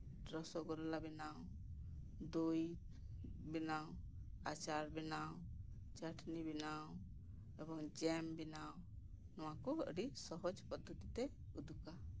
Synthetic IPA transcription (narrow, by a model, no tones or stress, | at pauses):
ɾɔsɔɡɔɾɔlabɛnaw | d̪uj | bɛnaw | at͡ʃaɾbɛnaw | t͡ʃaʈʰnibinaw | ɛbɔŋd͡ʒɛmbinaw | nɔw̃akuə̰ɖisɔɦɔd͡ʒpɔd̪ʱːɔt̪it̪ɛ | ud̪uka